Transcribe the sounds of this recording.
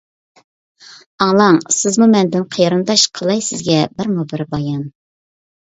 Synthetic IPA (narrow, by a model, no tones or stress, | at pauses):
ɑŋlˠɑŋsɪzmumɛnd̪ɪnqʰəjɾɨnd̪ɑʃqʰəlˠɑjsɪzɡʲɛbɪɾmubɪɾbɑjɑn